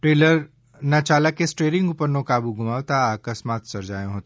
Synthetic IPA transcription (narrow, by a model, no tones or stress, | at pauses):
ʈɾeːləɾ | nat͡ʃaːlakesʈɾeːɾɪ̃ŋɡʊpənːõkaːbuɡʱʊmaːʋt̪aaːkəsmaːt̪sɐɾd͡ʒaːjõɦoːt̪